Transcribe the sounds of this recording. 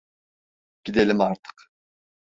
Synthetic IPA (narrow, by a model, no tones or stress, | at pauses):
ɟ̥id̪elʲimaɾt̪ʰɯ̥q | ɟ